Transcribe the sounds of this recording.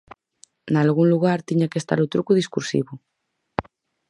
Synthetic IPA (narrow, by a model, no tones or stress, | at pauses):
nalɣuŋluɣaɾt̪iɲakest̪a̰ɾut̪ɾukuðiskuɾsḭβu